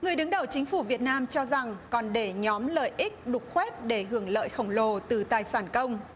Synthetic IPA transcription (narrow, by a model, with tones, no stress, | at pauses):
ŋɨ˨˩əjɗɨ˨˦ŋɗə˨˧˩wt͡ɕï˨˦ŋ̟fu˧˩vi˨˩ət̚naː˧mt͡ɕɔ˧za˨˩ŋkɔ˨˩nɗe˧˩ɲɔ˨˦mləː˨jʔi˦˥k̚ɗʊ˨˩k͡p̚xwɛ˦˥t̚ɗe˧˩ɦɨ˧˩əŋlə̰ː˧˨jxə˧˩wŋ͡mlo˨˩t̪ɨ˨˩t̪aː˨˩jsaː˧˩nkə˧wŋ͡m